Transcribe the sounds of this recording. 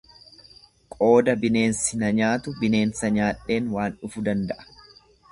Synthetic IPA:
kʼo̞ːd̪ɐbɪne̞ːnsɪnɐɲaːt̪ʊbɪne̞ːnsɐɲaːᶑe̞ːnwaːnʊfʊd̪ɐnd̪ɐʔɐ̥

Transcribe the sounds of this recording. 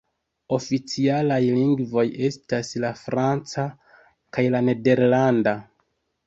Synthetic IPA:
o̞fit͡sialajliŋɡvo̞je̞staslafɾant͡sa | kajlane̞de̞ɾlanda

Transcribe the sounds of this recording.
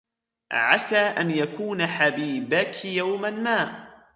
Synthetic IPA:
ʕasaːʔanjakuːnaħabiːbakjawmanmaːʔ

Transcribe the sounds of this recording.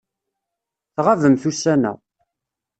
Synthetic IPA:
θʁavəmθusænæ̰

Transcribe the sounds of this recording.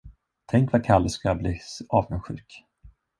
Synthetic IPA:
t̪ʰɛŋkvakʰalːəskabliːsɑːvɡənɧʉ̟ːk

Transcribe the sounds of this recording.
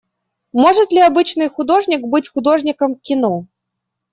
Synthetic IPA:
moʐɨt̪lʲɪɐbɨt͡ɕnɨjxʊd̪o̞ʐnʲɪkbɨtʲxʊd̪o̞ʐnʲɪkəmkʲɪno

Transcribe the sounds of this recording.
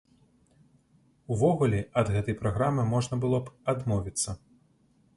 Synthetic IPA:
uvɔɣulʲɛɐd̪ɣɛt̪ɐjpɾaɣɾamɨmɔʐnɐbɨlˠɔbad̪mɔvʲit̪sːɐ

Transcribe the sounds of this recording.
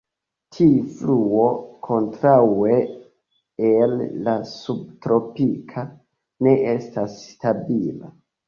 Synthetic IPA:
tʰifluo̞kʰo̞ntɾawe̞ | elːasub̚tɾo̞pikʰa | ne̞ʔe̞stastabila̰

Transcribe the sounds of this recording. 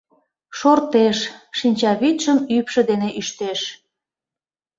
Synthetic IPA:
ʃort̪eʃʃinʲt͡ɕɑβit̪ʃəmypʃə̆d̪eneʔyʃt̪eʃ

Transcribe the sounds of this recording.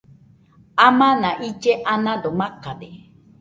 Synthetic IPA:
amãnãʔid͡ʒeʔanãdomãkade

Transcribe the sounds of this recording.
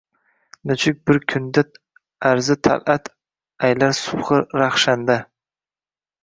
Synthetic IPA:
nʊt͡ʃʰɪk̚ʲbɪɾkʲʰʊnd̪at̪ | æɾzɪt̪ʰa̰lʔat̪ | ajlaɾsʊʁɨɾaχʃand̪a

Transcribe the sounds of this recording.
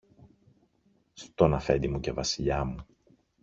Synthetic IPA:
st̪o̞nɐfe̞̰nd̪imuce̞vɐsiʎɐmu

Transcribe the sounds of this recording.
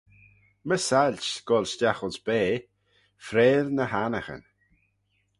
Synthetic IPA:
məsalʲt͡ʃɡ̥ɔlstʲjaxɔlˠsb̥eː | fɾeːɾnəɦanaxə̰n

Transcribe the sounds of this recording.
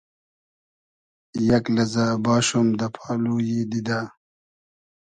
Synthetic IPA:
jɐklɐzabaːɕumd̪ɐpʰaːlujid̪id̪aː

